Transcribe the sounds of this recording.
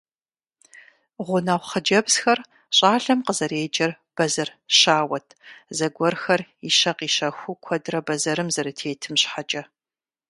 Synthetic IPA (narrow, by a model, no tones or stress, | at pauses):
ʁʷʊnɐʁʷχəd͡ʒɐbz̥xɐr | ɕʼaːɬɐmqəzɐɾeːd͡ʒʼɐr | b̥ɐzɐrɕaːwɐtʰzɐɡʷɔrxɐriʃɐqiːʃɐxʷʊkʷʰɔdrɐbɐzɐɾɨmzɐɾɨtʰeːtʰɨmɕħat͡ʃʼɐ